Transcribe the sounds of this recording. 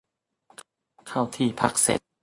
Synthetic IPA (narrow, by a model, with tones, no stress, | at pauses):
k | kʰa˥˩wt̪ʰiː˥˩pʰa̰˦˩k̚sḛ˨˦t̪̚